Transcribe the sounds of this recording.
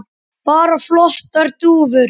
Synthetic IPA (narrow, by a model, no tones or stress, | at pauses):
paːɾaflɔht̪aɾt̪uːvʏɾ